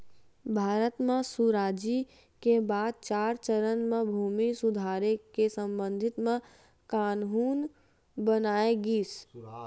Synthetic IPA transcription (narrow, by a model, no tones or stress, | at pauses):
bʱaːɾət̪mẽsuɾaːd͡ʒi | kebaːd̪̚t͡ʃaːɾt͡ʃəɾənmẽbʱuːmisʊd̪ʱaːɾekesə̃mbə̃nd̪ʱɪt̪mẽ | kaːnɦuːn | bənaːeɡiːs